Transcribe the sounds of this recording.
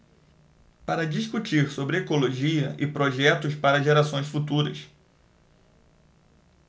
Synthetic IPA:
paɾɐd͡ʒiskut͡ʃiɾsobɾɪekoloʒiɐʔɪpɾoʒɛt̪ʊspaɾɐʒeɾasõj̃sfut̪uɾɐ̰s

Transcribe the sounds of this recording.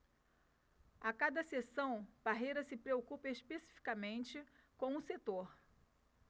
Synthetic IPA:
akad̪ɐsesɐ̃w̃b̥aɦejɾɐsɪpɾeokupɐeʃpesi̥fi̥kamẽnt͡ʃɪkõw̃ʊset̪oɾ

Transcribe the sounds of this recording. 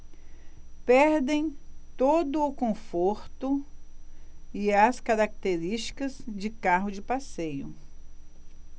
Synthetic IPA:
pɛɾd̪ẽj̃t̪od̪ʊːkõfoɾt̪ʊ | ɪɐskaɾak̚t̪eɾist͡ʃi̥kɐzd͡ʒɪkaɦʊd͡ʒɪpasejʊ

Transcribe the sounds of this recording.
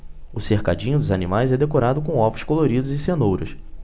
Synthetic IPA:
ʊsehkad͡ʒĩɲʊd̪ʊzanimajzɛd̪ekoɾad̪ʊkõw̃ɔvʊskoloɾid̪ʊzɪsenowɾʊs

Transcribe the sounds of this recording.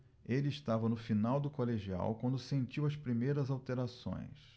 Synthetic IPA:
elɪːst̪avɐnʊfinawd̪ʊkoleʒia̰wkwɐ̃nd̪ʊsẽnt͡ʃiwɐspɾimejɾɐzawt̪eɾasõ̰j̃s

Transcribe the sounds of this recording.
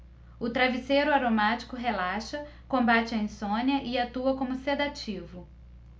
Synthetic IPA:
ʊt̪ɾavisejɾʊaɾomat͡ʃi̥kʊɦelaʃɐ | kõmbat͡ʃɪɐẽsõnjɐʔɪat̪uɐkõmʊsed̪at͡ʃivʊ

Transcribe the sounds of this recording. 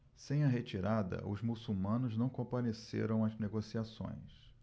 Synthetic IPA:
sẽj̃ɐɦet͡ʃiɾad̪ɐ̰ʔʊzmusuwmɐ̃nʊznɐ̃w̃kõpaɾesḛɾɐ̃w̃ɐzneɡosiasõ̰j̃s

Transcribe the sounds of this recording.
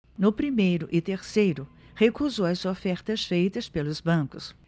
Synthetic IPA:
nʊpɾimejɾʊʔɪt̪eɾsejɾʊ | hekuzowɐzofɛɾt̪ɐsfejt̪ɐspelʊzbɐ̃kʊs

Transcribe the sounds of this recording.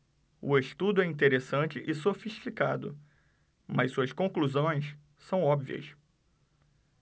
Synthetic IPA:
ʊeʃt̪ud̪ʊɛĩnt̪eɾesɐ̃nt͡ʃɪʔɪsofiʃt͡ʃikad̪ʊ̰ | mɐssuɐskõkluzõj̃s | sɐ̃w̃ɔbviɐ̰s

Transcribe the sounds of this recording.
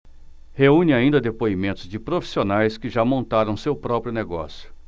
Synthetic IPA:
heũnɪaĩnd̪ɐd̪epoimẽnt̪ʊzd͡ʒɪpɾofi̥sionajskɪʒamõnt̪aɾɐ̃w̃sewpɾɔpɾjʊneɡɔ̰sjʊ̥

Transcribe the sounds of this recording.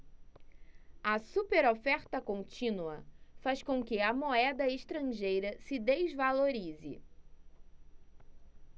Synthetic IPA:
ɐsupeɾofɛɾt̪ɐkõnt͡ʃĩnuɐ̰faskõkɪɐmoɛd̪ɐeʃt̪ɾɐ̃ʒejɾɐsɪd̪ezvaloɾizɪ̰

